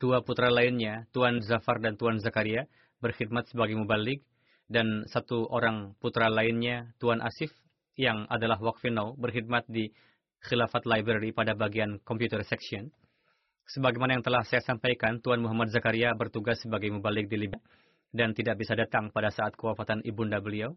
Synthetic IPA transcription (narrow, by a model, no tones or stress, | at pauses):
d̥uaput̪ɾalaɪnɲat̪uanzafardant̪uanzakaɾia | bərxid̪̚mat̪̚səbaɡajmubalɪk̚ | dansat̪uʔoɾaŋput̪ɾalaɪnɲat̪uanʔa̰sɪf | jaŋadalaɦwak̚finawbərxid̪̚mat̪̚di | xilafat̪lajbɾɛɾipadabaɡiankɔmpjut̪ərsɛksiɔn | səbaɡajmanajaŋt̪əlahsajasampajkant̪uanmuɦamat̪̚zakaɾiabərt̪uɡasːəbaɡajmubalɪk̚diliba | dant̪idaʔ̚bisadat̪aŋpadasaːt̪̚kəwafat̪anʔibundabəliaw